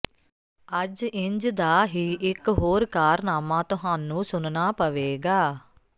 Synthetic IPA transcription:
əd͡ʒɪɲd͡ʒd̪aːɦiːʔɪkɦoːɾkaːɾnaːmãːt̪ʊɦaːnũːsʊnnaːpəʋeːɡaː

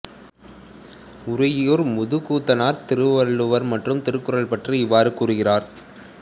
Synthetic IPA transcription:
ʊɾɐjjoːɾmʊðɯkuːt̪ːɐnaːɾt̪ɪɾɯʋɐɭɯʋɐɾmɐʈrɯmt̪ɪɾɯkːɯɾɐɭpɐʈrɯɪʋːaːɾɯkuːrɯɣɪraːɾ

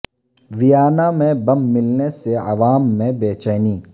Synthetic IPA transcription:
ʋijaːnamẽbɐ̃mːɪlneseɐ̰ʋaːmːẽbeːt͡ʃəːniː

